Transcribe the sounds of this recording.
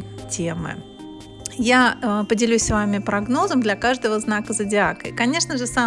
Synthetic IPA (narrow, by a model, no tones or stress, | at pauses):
tʲemɨ̰ | japədʲɪlʲusʲsvamʲɪpɾɐɡno̞zəmd̪lʲɐkaʐd̪əvəznakəzədʲɪakə̰kɐnʲe̞ʂnəʐɨsa